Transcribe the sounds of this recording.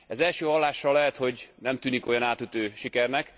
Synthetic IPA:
ɛzɛlʃøːɦɒlːaːʃːɒlːɛɦɛt̪ho̞ɟnɛmt̪yːniko̞jɒnaːt̪yt̪øːʃikɛrnɛk

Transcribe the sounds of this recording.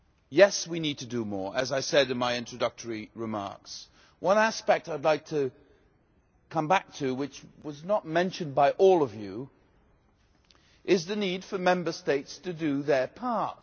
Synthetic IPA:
jɛswinid̚tʰɨdɨmɔ̰ɹʔɨzaɪsɛɾɨ̃nmaɪɪ̃nt͡ʃɹ̥ɨdʌk̚tʰə˞iɹɨmɑ̰ɹks | wʔʌ̃næspɛk̚taɪdˡlaɪk̚tʰɨ | kʰʌ̃mbæk̚tʰɨwɨt͡ʃwʌznət̚mɛ̃nʃɨ̃nbaɪʔɔlˠʌvjʉ | ʔɪzðɨnid̥fə˞mɛ̃mbə˞steɪtstʰɨdɨðə˞pʰɑɹ

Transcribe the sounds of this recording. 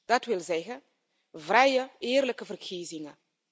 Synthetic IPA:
d̥ɑtʋɪlˠzɛɣən | vrɛjəɪːrləkəvərkʰiːzɪŋə

